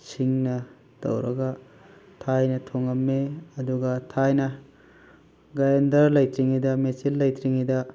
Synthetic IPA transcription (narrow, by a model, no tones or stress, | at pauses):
siŋnɐ | d̥ɐ̰wɾɐɡɐ | tʰajnɐtʰoŋɐmːeɐduɡɐtʰajnɐ | ɡajendɐɾlɐjt̪ɾiŋidɐmet͡ʃilːɐjtɾiŋidɐ